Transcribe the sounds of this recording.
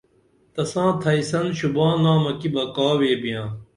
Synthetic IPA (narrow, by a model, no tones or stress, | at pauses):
t̪ɐsãːt̪ʰɐisɐnɕubãːnãːmɐkibɐkaːweːbijãː